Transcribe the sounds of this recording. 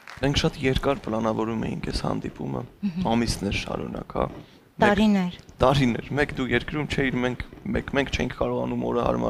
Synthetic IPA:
mɛŋkʰʃɑt̪jɛɾkɑɾpəlɑnɑvɔɾumɛ̰jiŋkʰɛshɑ̰nd̪ipumə̰ɑmisnɛɾʃɑ̰ɾunɑ̰khɑ̰ | mɛɾinɛɾt̪ɑɾinɛ̰ɾmɛkd̪ujɛɾkɾumt͡ʃʰɛiɾmɛŋkʰmɛ̰kmɛŋkʰt͡ʃʰɛjiŋkʰkɑɾɔʁɑnumɔ̰ɾəhɑ̰ɾmɑ̰

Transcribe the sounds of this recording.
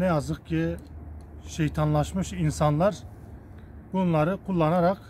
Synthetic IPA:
nɛjɑzɯqkʰʲi | ʃejt̪ʰɑnlˠɑʃmɯʃinsɑnlˠɑɾ | buunlˠɑɾɯqʰulˠːɑnɑɾɑq

